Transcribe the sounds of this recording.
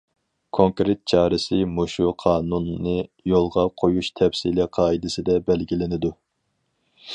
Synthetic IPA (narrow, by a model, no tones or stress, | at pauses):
kʰoŋkɾet̪̚t͡ʃʰɑːɾɪsɪmoʃuqʰɑːnunːɨjolˠʁɑqʰojuʃt̪ʰɛpsilɛqʰɑːid̪ɪsɪd̪ɛbɛlɡʲilɪnɪd̪u